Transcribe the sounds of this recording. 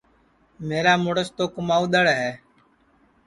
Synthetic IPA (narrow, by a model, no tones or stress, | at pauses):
meːɾaːmʊɽəst̪oːkʊmaːuːɗ̪əɽɦɛː